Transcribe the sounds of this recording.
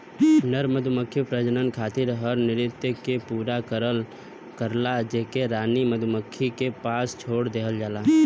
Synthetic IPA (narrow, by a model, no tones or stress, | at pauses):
nəɾməd̪ʱʊməkʰːipɾəd͡ʒənənkʰaːt̪ɪɾɦəɾnɪɾɪt̪ːəkepuːɾakəɾəl | kəɾlad͡ʒeɦkeɾaːniməd̪ʱʊməkʰːikepaːst͡ʃʰoːɽd̪eːɦəld͡ʒaːlaː